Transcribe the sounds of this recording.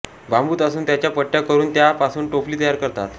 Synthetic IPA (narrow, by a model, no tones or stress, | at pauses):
bʱambuːt̪əsuːnt̪jat͡ɕjapəʈːjakəɾuːnt̪japasuːnʈofliːt̪əjaɾkəɾt̪a̰t̪